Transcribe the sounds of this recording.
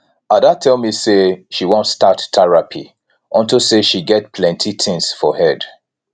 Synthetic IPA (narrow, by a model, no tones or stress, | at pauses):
adatʰɛlˠmiseʃiwɔ̃ntstattɛɹapʰḭ | ɔ̃ntoseʃiɡɛt̚pʰlɛ̃ntʰitʰɪ̃ŋsfɔhɛd